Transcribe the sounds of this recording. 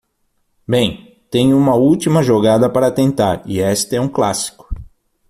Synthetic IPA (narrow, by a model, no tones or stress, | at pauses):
bẽj̃ | t̪ẽj̃ʊũmɐuwt̪imɐʒoɡad̪ɐpaɾɐt̪ẽnt̪a̰ɾɪɛst̪ɐɛũkla̰si̥kʊ̥